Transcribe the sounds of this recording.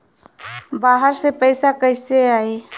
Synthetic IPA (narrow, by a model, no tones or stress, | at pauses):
baːɦəɾsepəɪsakəɪseaːeː